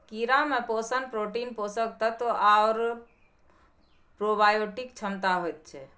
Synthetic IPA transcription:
kiɾameposənpɾoʈinposək̚t̪ət̪oʔaoɾ | pɾobajoʈikt͡ʃʰəmt̪aɦojt̪̚t͡ʃʰɛ

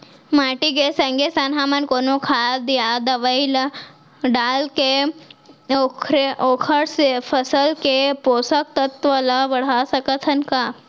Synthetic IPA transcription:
maʈiɡesə̃ŋɡesanɦamənkonukʰad̪ijad̪əʋəila | ɖalke | okʰɾeʔokʰəɽsefəsəlkeposək̚t̪ət̪ʋəlaʋəɽasəkət̪ʰənka

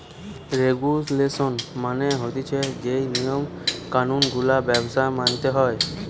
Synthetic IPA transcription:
ɾeɡuslesɔnmaneɦot̪it͡ɕʰed͡ʑejnijom | kanunɡulabɛbsamant̪eɦɔe

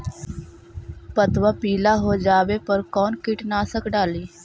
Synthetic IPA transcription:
pət̪ʋaːpiːlaːɦoːd͡ʒaːʋeːpəɾkɔːnkɪʈnaːsəkɖaːliː

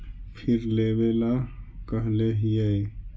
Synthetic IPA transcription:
pʰɪɾleːbelakəɦleɦiəe

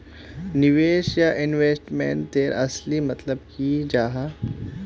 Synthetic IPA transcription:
nɪʋeːʃjaʔɪnʋeːsʈmḛ̃ːɳt̪eːɾɐslimɐt̪ləb̚kid͡ʒaːɦa

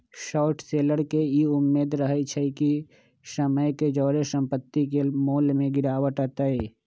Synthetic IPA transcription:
ʃɔːʈseːləɾkeiʊmːeːd̪ɾəɦet͡ʃʰəiki | səməjked͡ʒɔːɾesə̃mpət̪ːikemoːlmẽɡɪɾaːʋəʈaːt̪aɦeː

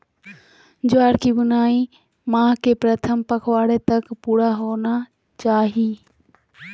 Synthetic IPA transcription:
d͡ʒwaːɽkiɡʊnaːi | mãːkepɾət̪ʰəmpəkʰʋaːɽet̪ɐkpuːɽaɦoːna | t͡ʃaːɦiː

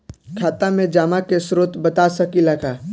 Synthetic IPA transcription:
kʰaːt̪amẽd͡ʒaːmakesɾoːt̪bɐt̪asɐkilaɡaː

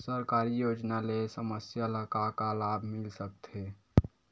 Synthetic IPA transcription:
səɾkaɾijod͡ʒnalesəməsjaləkakalabʱmɪlsək̚t̪ʰe

